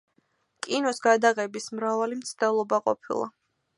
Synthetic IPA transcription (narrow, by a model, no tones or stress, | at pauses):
kʼinɔsɡad̪aʁɛbismɾavalimt̪sʰd̪ɛlˠɔbaqʼɔ̰pʰḭlˠa̰